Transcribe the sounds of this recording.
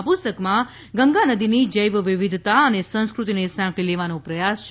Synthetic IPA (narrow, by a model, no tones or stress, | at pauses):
pʊst̪əkmã | ɡəŋɡanəd̪inid͡ʒəjʋʋiʋid̪ʱt̪aənesə̃ñskɾut̪inesãkʰileʋanõpɾəjast͡ʃʰ